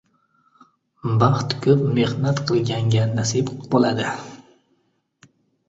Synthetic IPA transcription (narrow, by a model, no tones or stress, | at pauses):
bɑχt̪kʰɵpmehnat̪qʰɨlˠɡʲaŋɡʲanːasɪbbolad̪ɪ